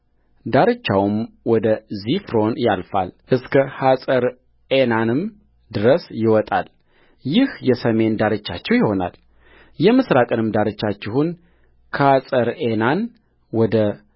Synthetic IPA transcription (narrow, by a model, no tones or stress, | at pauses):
d̪aɾɨt͡ʃːawm | wɔd̪əzifɾo̞njalfa̰lʔɨskʰəhasʼəɾ | enanɨm | d̪ɨɾəsjɪwɔt̪ʼa̰l | jɪhjɛsəme̞nd̪aɾɨt͡ʃːa̰t͡ʃːɛwjɪho̞na̰l | jɛmɨsɾakʼɨnɨmd̪aɾɨt͡ʃːat͡ʃːɪhun | kʰasʼəɾenan | wɔd̪ə